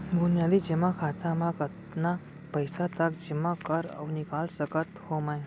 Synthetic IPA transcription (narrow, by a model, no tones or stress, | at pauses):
bunjaːd̪id͡ʒimakʰaːt̪amãkət̪ | na | pɐɪsat̪ɐkd͡ʒimːakəɾɐ̰wnikaːlsəkət̪hoːmaj